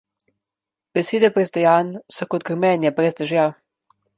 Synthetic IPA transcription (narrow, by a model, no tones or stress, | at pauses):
b̥ɛseːd̪ɛpɾɛzd̪ɛjaːnsɔkɔt̪̚ɡɾmɛnjɛpɾɛzd̪əʒja